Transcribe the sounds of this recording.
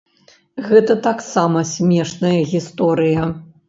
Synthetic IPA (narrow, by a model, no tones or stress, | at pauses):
ɣɛt̪ɐt̪aksamɐsʲmʲɛʂnɐjɐɣʲist̪ɔɾɨjɐ